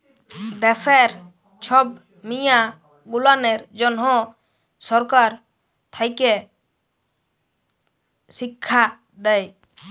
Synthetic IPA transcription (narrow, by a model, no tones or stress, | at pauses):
d̪ɛsɛɾ | t͡ʃʰɔb̚ | mija | ɡulanɛɾd͡ʒɔnɦɔ̃ | sɔɾkaɾ | t̪ʰajkɛ | sikʰːa | d̪ɛj